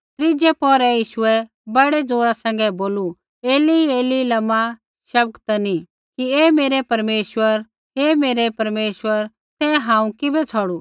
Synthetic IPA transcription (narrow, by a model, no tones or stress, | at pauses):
t̪ɾɪd͡ʒɛpɔːɾɛjiːʃʊɛ | bɐɽɛd͡zoːɾasɛ̃ŋɡɛboːlu | eːlieːlilɐma | ʃɐb̚kt̪ɐnĩ | kieːmeːɾɛpɐɾmeːʃʋəɾ | ɦemeːɾɛpɐɾmeːʃwəɾ | t̪ɛɦãːũkɪbɛt͡sʰɔɽu